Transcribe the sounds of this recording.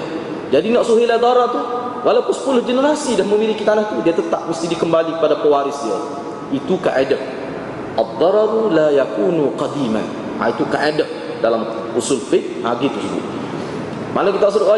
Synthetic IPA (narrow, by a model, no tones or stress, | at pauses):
d͡ʒadinaʔsuɦilahd̪ɔɾɑrt̪uh | wʔalawkʊnsə̥pulʊhd͡ʒənəɾasidahməmilikit̪anaht̪udiat̪ət̪aʔ̚məst̪idikəmbalikəpadapəwaɾɪsdia̰ | it̪uka̰ʔadəh | ʔad̪ˤːɑɾɑɾulajakuːnuqɑd̪ima̰n | a̰it̪ukaʔedəh̚ | dalam | usulfɪk̚haɡit̪usəbʊ̰l | mʔanakit̪aʔsədʊʔa